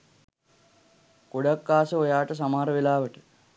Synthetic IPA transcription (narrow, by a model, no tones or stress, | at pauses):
koɽakːaːsəojaːʈəs̬amaːɾəʋelaːʋəʈə